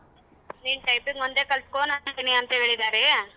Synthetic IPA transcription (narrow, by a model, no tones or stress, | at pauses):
niːnʈɐjpiŋɡʋond̪eːkɐlskoːnant̪ɐniɐnt̪ɐɦeːɭid̪aːɾe